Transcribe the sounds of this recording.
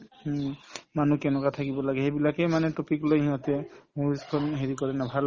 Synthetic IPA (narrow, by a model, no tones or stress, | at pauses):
manukɛnɛkat̪ʰakibɔlaɡɛɦebilakemanɛtopiklojɦiɦɔt̪ɛmuɹiskʰɔnɦeɹikɔɹɛnabʱal